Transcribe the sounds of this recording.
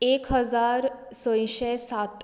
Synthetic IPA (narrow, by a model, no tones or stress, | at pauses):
ekɦəd͡zaɾ | sə̃j̃ɕɛsat̪